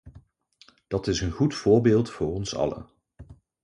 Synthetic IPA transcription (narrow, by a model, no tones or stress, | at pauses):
d̥ɑtɪsənχutfʊːɹbeːlˠtfʊːɹɔnsɑ̰lə̰